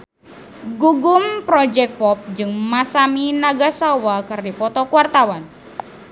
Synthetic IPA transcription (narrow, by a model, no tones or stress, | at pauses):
ɡuɡumpɾɔd͡ʒɛk̚pɔp̚d͡ʒɨŋmasaminaɡasawakɨrdipɔt̪ɔkwart̪awan